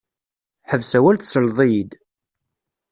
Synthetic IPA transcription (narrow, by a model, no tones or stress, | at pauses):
ħəvsæwælθsəlðˤijid̪